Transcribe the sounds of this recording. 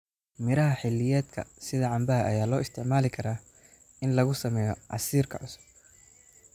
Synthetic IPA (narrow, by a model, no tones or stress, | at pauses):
mɪɾɐɦɐħɪlːɪjɛːd̪kʰɐ̰sɪðɐʕɑmbɐɦɐʔɐjaːlɔːɪst̪ʰɪʕmaːlɪkʰɐɾaː | ɪnlɐɣʊsɐmɛːjɔʕɑ̰siːrkʰɐʕʊsʊ̥b̚